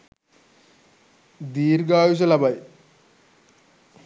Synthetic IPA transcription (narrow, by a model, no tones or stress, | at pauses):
d̪iːɾɡaːjus̬ɐlɐbɐj